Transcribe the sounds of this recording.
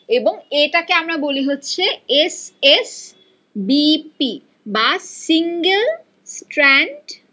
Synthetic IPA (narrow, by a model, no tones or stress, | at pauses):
eboŋeʈakeamɾaboliɦotːɕʰeeses | bipi | basiŋɡel | sʈɾɛɳɖ